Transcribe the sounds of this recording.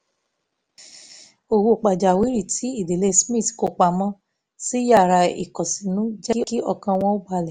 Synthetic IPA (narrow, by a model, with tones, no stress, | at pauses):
o˨wo˧˨k͡pa˨d͡ʒa˨wi˨˦ɾi˦˨tʰi˨˦i˦˨de˨le˧smĩ˦˨tko˧k͡pa˧mɔ̃˦ | si˦ja˦˨ɾa˧ḭ˨kɔ˨sĩ˨nũ˨˦d͡ʒɛ˦ki˦ɔ˧kã˧w̃ɔ̃˧˦o˦ba˧lɛ˨